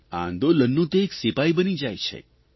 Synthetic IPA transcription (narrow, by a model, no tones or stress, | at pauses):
ã̰nd̪olənːũt̪eːksipaibənid͡ʒajt͡ʃʰḛ